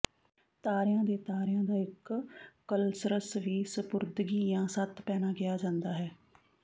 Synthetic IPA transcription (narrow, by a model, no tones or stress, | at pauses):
t̪aːɾɪjãːd̪eːt̪aːɾɪjãːd̪aːɪkː | əlsɾəsʋiːsəpʊɾd̪ɡiːjãːsət̪pɛːnaːɡɪjaːd͡ʒãːnd̪aːɦɛː